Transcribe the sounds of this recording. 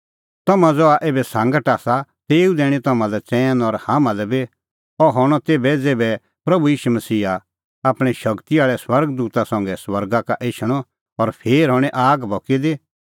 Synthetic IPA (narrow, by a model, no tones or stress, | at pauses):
t̪ɐmãd͡zɔaʔeːbɛsãːŋɡəʈaːsat̪eːud̪eːɽ̃it̪ɐmãlɛt͡sɛ̃ːnɔɾhãːmãlɛbi | ɔɦɔɽ̃ɔt̪eːbɛd͡zeːbɛ | pɾɐbujiːʃumɐsiːɦa | aːpɽ̃ĩʃɐkt̪iaːɭɛswɐɾɡd̪uːt̪asɔ̃ŋɡɛswɐɾɡakaʔeːʃʰɽ̃ɔ | ɔɾpʰeːɾɦɔːɽ̃ɛʔaːɡbʱɔkid̪e